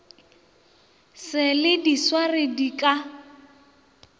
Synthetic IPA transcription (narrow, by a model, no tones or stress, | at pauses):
sɪlɪdiswarɪdikʼa